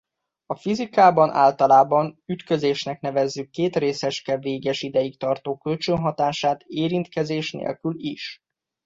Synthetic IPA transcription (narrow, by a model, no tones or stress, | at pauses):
ɒfizikaːbɒnʔa̰ːlt̪ɒlaːbɒnyt̪kø̞zeːʃnɛkn̪ɛvɛzːykːeːt̪reːsɛʃkɛveːɡɛʃid̪ɛjikt̪ɒrt̪oːkːølt͡ʃønɦɒt̪aːʃaːt̪eːɾint̪kɛzeːʃnḛːlkyliʃ